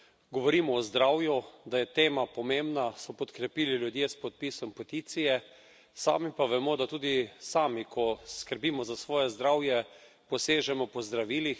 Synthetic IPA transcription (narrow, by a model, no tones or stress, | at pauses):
ɡɔʋɔɾimɔːzd̪ɾawjud̪ajɛt̪eːmapɔmembnasɔpɔt̪kɾɛpiːliljud̪jespɔt̪̚piːsɔmpot̪it̪sijɛ | sa̰ːmipaʋɛmɔd̪at̪uːd̪isaːmikʰɔskəɾbiːmɔzasʋɔːjɛzd̪ɾawjɛ | pɔseːʒɛmɔpɔzd̪ɾaʋiːlix